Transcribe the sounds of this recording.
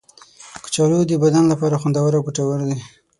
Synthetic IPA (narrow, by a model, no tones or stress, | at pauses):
kə̥t͡ʃɑlod̪əbad̪anlapɑɾaxand̪awaɾawkəʈawaɾd̪i